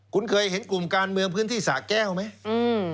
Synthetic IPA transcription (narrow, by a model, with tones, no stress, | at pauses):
kṵ˧˥nkəː˧jhi˨˦ənkʊ˨˩mkaː˧˩nmɨ˧˩əŋpʰɨ˧ənt̪ʰi˧˩sa̰ː˧˩kɛ˧˩wmɛ˨˦ʔɨ˧˩